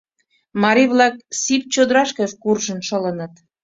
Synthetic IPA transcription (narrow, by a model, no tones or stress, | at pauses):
mɑɾiβlɑk̚sip̚t͡ɕod̪ɾɑʃkeʃkurʒə̆nʃə̆lə̆nə̆t̪